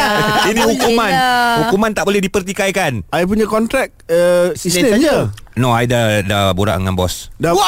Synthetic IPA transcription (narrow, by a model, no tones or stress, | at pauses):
inĩhukumãnhukumãnt̪aʔbolɛhdipərt̪ikajkanajp̬uɲãkɔnt̪ɾɛk̚əsisəad͡ʒanoajdadabuɾa̰ʔŋanbɔsda